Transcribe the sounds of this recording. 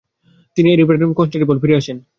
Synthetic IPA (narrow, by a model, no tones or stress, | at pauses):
t̪inieɾipeɾeʈomkonsʈeʈibolfiɾeaʃʰen